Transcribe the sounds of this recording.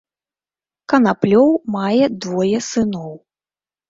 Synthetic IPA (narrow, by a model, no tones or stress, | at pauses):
kɐnaplʲɔwmajɛd̪vɔjɛsɨnɔw